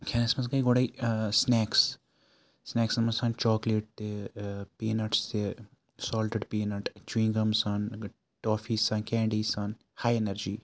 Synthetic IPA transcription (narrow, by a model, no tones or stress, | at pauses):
kʰɛːnɐsmɐsɡɐiɡoɽaisnɛːks | snɛːksmɐsãːnt͡ʃɔːkleːʈ̚t̪epeːnɐʈst̪e | sɔːlʈəɖpiːnɐʈt͡ʃwĩːŋɡɐmsaːn | ʈoːfiːsaːnkɛ̃ːɳɖiːsaːn | haːjenɐɾd͡ʒiː